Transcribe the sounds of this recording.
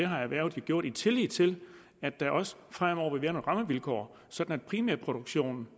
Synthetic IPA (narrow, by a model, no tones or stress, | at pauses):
eɦɑ̈æʋæɐ̰ʊð̩ˠjoɡ̥jo̝ɐ̰ɾ̥it͡sʰe̝lið̥ˠt͡sʰe̝l | æd̥ːæ̈ʔɒ̽sə̥fʁam̰ɒʊ̰ɐʋeʋeːɐnoʁɑ̈məʋilkʰɒ̰ː | sɒ̽d̥n̩æd̥̚pʰʁimæɐpʰʁo̝ɾ̥uɡ̥ɕo̝̰ːnn̩